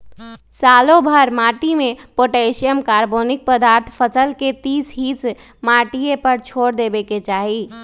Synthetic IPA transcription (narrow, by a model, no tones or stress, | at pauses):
saːlõbʱəɾmaːʈimepoʈesijəmkaːɾboːnɪk̚pəd̪aːɾt̪ʰpʰəsəlket̪iːsɦiːs | maʈijepəɾt͡ʃʰoːɽd̪ebeket͡ʃaːɦi